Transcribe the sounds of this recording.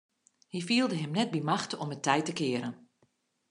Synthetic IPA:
hifiəlˠdəɦɛmnɛt̚bimaxtɔmətʰːɛjtəkɪəɾən

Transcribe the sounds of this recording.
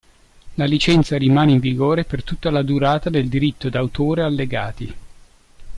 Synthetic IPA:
lalit͡ʃɛnt̪saɾimaːneiɱviɡoːɾepert̪ut̪ːalad̪uɾaːt̪ad̪eld̪iɾit̪ːod̪awt̪oːɾealːeɡaːt̪i

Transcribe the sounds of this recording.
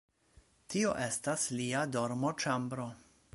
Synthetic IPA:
tioʔe̞stasliado̞ɾmo̞t͡ʃambɾo̞

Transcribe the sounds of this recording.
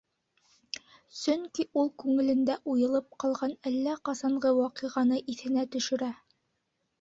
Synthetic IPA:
sɵŋkiʔulˠkʉŋɘ̆lɘ̆nd̪æʔujɤ̆lˠɤp̚qɑlˠʁɑnælːæqɑsɑɴʁɤwɑqɤʁɑnɤʔiθɘ̆næt̪ɵ̆ʃɘ̆ɾæ

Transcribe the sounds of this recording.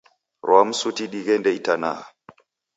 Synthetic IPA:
ɾwamsutiɗiɡɛndɛitana̰

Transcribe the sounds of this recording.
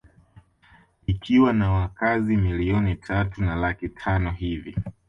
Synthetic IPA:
ikʰiwanawakazimiliɔnitʰatunalakitʰanɔhivi

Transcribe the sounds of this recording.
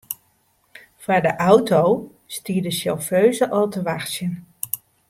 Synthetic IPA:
faɹdəʔawtow | stiːɹdəsɛlˠføɥzəʔɑlˠtəʋaxsjən

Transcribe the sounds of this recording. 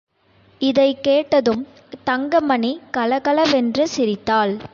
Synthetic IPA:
ɪðɐɪkeːʈːɐðɯm | t̪ɐŋɡɐmɐnikɐlɐɣɐlɐʋɛndrɯsɪɾɪt̪ːaːl

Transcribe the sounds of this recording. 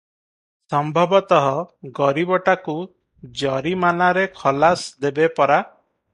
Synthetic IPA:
sɔmbʱɔbɔt̪ɔɦɔɡɔɾibɔʈaku | d͡ʒɔɾimanaɾekʰɔlasd̪ebepɔɾa

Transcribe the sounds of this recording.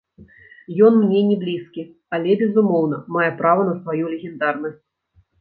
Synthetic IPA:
jɔnmnʲɛnʲɛblʲiskʲi | alʲɛbʲɛzumɔwnɐmajɛpɾavɐnɐsvajulʲɛɣʲɛnd̪arnɐsʲt͡sʲ

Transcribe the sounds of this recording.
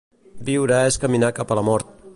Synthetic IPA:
biwɾəeskəminakapələmɔɾt̪̚

